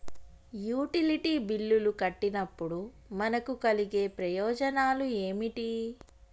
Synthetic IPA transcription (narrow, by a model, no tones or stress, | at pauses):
juːʈiliʈiːbilːulukɐʈːinɐpːuɽu | mɐnɐkukɐliɡe̞ːpɾɐjɔːd͡ʒɐnaːlue̞ːmiʈi